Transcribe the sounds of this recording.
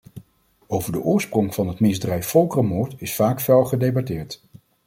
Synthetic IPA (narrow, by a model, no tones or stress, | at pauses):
owvəɹdəʔʊːɹsprʊŋvɑnɦətmɪzdrɛjffɔlˠkrəmʊːɹtɪsfaːkfɛlˠχədejbɑtɪːɹt